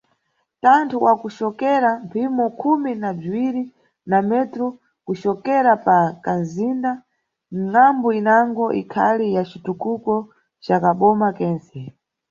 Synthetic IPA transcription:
tantʰuwʔakuʃɔkɛɾampʰimɔkʰuminab͡ʐiwiɾi | namɛtɾu | kuʃɔkɛɾapakanzinda | m̩ŋambɔinaŋɡɔʔikʰa̰lijat͡ʃitukukɔ | t͡ʃakaɓɔmakɛːnsɛ

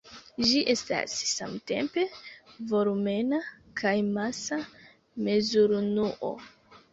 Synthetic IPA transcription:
d͡ʒiʔe̞sta̰sːa̰mte̞̰mpe̞vo̞ɾume̞na | kʰajmasa | me̞zuɾnuʔo̰

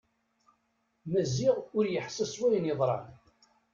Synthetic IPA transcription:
mæzːɪʁʊɾjəħsəswæjənjəðˤɾˤɑ̰n

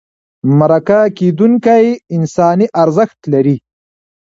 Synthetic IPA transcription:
maɾakaked̪uŋkajɪnsɑːniʔaɾzəxt̪laɾi

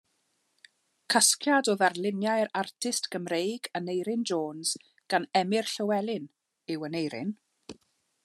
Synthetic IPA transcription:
kʰaskʰjadoːðarlˠɪnjajɾartʰɪstɡ̥əmrejɡanejɾɪnd͡ʒoːnz̥ | ɡ̥anɛmɪrɬəwɛlˠɪn | ɪwənejɾɪ̰n

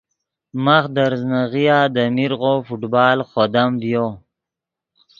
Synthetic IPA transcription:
maxd̪aɾznaɣijaːd̪əmiɾɣofuʈbɑːlχod̪amvjo

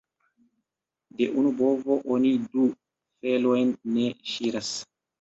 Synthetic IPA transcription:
de̞ʔunubo̞vo̞ʔonidu | fe̞lo̞jnːe̞ʃiɾas

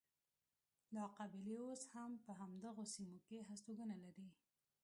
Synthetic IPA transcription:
lɑqabɪleoshampəɦamd̪əɣosimokeɦast̪oɡənalaɾi

